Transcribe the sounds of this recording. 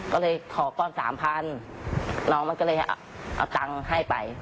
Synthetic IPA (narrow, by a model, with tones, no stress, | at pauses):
kɔː˥˩lɤː˧jk̪ʰɔː˨˩kɔː˧˩nsa̰ː˩˦mpʰa˧n | lɔː˧ŋma˧nkɔ˥˩lɤː˧hʔa̰˨˩ʔa̰˨˩wt̪a˧ŋha˥˩jpa̰˨˧j